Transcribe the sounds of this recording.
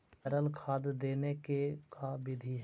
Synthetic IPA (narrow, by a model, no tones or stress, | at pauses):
əɾəlkʰaːd̪d̪eːnekekabɪd̪ʱiɦ